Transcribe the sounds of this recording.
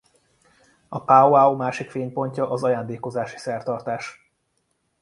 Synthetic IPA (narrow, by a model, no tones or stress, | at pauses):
ɒpaoaomaːʃikfeːɲpo̞ɲcɒʔɒzɒjaːnd̪eːko̞zaːʃi̥sɛrt̪ɒrt̪aːʃ